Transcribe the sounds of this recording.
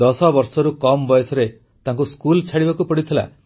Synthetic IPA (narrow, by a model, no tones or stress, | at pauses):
ɔsɔbɔɾsɔɾukɔmbɔjɔsɔɾe | t̪ãŋkuskult͡ʃʰaɽibakupɔɽit̪ʰila̰